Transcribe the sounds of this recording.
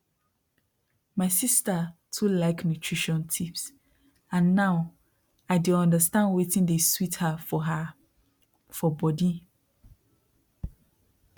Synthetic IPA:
maɪsistatʰulaɪknjutʰɹ̥iʃɔ̃ntʰips | ãnːãʊ | aɪdɪɔ̃ndəstãndwetĩndeswithafɔɦa | fɔbɔdi

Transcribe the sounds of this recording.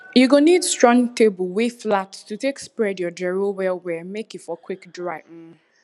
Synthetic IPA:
juɡonidstɹɔ̃ŋtebəwiflatstutekspɹɛdjɔd͡ʒɛɹowɛlwɛmekjutfɔkʰwikdɹaɪm̩

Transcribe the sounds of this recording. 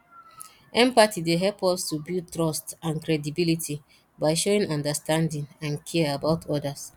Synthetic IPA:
ʔɛ̃mpatideɦɛlpɔstubutɹɔstãnkɹɛdibilitʰi | baɪʃoĩnɔ̃ndastãndĩnãnkʰiɛabaʊtʰɔdas

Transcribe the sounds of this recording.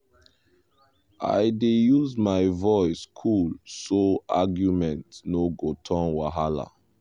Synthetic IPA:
a̰ɪdejuzmaɪvɔɪskʰulsoa̰ɡjumɛ̃ntnoɡotʰɔ̃nwaɦala̰

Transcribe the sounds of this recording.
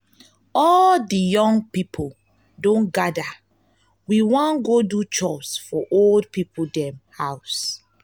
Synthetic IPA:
ɔldijɔ̃ŋpipʰo | dõnɡada | wiwɔ̃nɡodut͡ʃɔsfɔʔoldpipʰodɛ̃mhaʊs

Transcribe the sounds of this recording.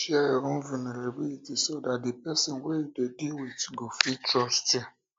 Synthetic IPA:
ʃiaɾʊ̃n̩viniɾeɡ͡biitisodadɪpɛsɛnweidediwetu̥ɡofitɾɔsta

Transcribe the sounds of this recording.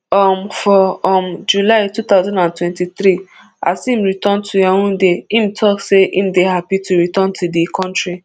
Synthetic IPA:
ɔm̩fɔɔm̩d͡ʒulaɪtut̪aʊzãndãntwɛ̃ntiθɾi | a̰sim̩ɾitɔntʰujaŋũdeim̩tʰɔkseʔḭm̩deɦapitʰuɾitɔntʰudikʰɔ̃ntɹi

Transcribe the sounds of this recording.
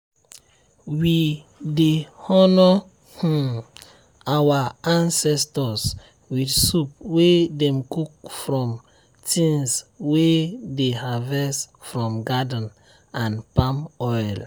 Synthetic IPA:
widehɔnɔ | hũ | awaãnsɛstɔs | widsup̚wedɛ̃mkuk̚fɹɔ̃m | tĩnswedehavɛsfɹɔ̃mɡadn̩ | ãnpãmɔjl

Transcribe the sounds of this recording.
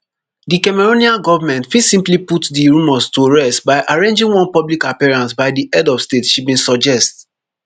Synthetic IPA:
dikɛmɛɹoniãɡɔvamɛ̃ntfidsĩmpliputdiɹũmɔstuɹɛstbaɪʔaɹẽnd͡ʒĩŋwɔ̃npɔblikapiɹãnsbaɪdiʔɛdɔfstetʃibĩnsɔd͡ʒɛst

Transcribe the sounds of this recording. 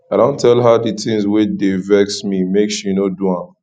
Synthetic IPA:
aɪɾõʊ̃ntʰɛlɦaditɪ̃ŋzwɪt͡ʃdevɛksmimekʃinoduãm

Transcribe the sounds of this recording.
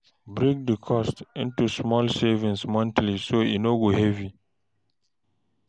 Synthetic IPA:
bɾĩk̚dəkʰɔstɪ̰̃ntusmɔlsevĩnsmɔ̃ntlisoḭnoɡohɛvi

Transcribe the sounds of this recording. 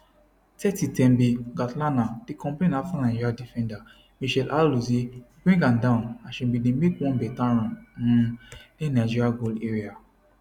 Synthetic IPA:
tɛtitɛ̃mbiɡatlanad̥ikɔ̃mplẽnafɔ̃nãd͡ʒiɾadifɛ̃nda | miʃɛlʔaluzibɹĩŋɡãdãʊ̃naʃɛ̃bidemekwɔ̃nbɛtãɾ̃ãnũdĩnad͡ʒiɾiaɡoleɾia

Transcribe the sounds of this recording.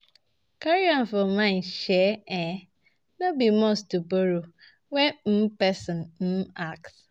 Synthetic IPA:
kaɾiɔ̃nfɔmãɪ̃nʃɛɛ | nobimostuboɾo | wɛm̩pɛsɔ̃nm̩aks

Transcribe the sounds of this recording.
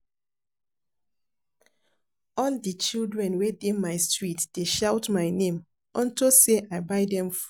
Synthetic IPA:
ɔldit͡ʃildɹɛ̃nwedemaɪstɹitd̥eʃaʊtmaɪnẽm | ɔ̃ntoseʔaɪbaɪdɛ̃mf

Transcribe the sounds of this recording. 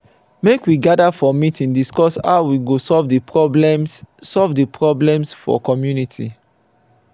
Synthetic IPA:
mekwiɡadafɔmitʰĩŋdiskɔsa̰ʊwiɡosɔlvdipʰɹɔblɛ̃mssɔlvdəpʰɹɔblɛ̃msfɔ̰kɔmjunitʰi

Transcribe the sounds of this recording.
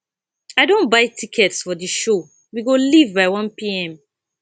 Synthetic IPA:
aɪdõnbaɪtʰikʰɛtsfɔdiʃo | wiɡolivbaɪwʌ̃npiɛ̃m

